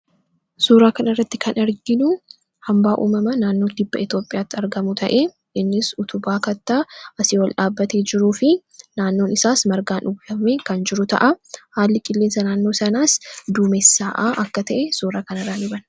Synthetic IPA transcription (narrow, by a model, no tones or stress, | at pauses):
suːɾaːkɐnɪrːɐt̪ːɪkʰɐnɐɾɡɪnʊ | hɐmbaːʔṵːmɐmɐnaːnːo̞ːd̪ɪbːɐɪt̪jo̞ːpʼːɪjaːt̪ːɪɐɾɡɐmʊt̪ʰɐ̰ʔe̞ | ɪnːɪsʊt̪ʊbaːkɐt̪ːaʔɐsɪwɐlᶑaːbːɐt̪eːd͡ʒɪɾuːfɪ | naːnːoːnɪsaːsmɐɾɡaːnʊɡɐmeːkɐnd͡ʒɪɾʊt̪ɐ̰ʔahaːlːɪkʼɪlːeːnsɐnaːnːo̞ːsɐnaːsd̪uːmɛsːaːʔaʔɐkːɐt̪ɐʔɛsuːɾaːkɐnɐraːlʊbɐn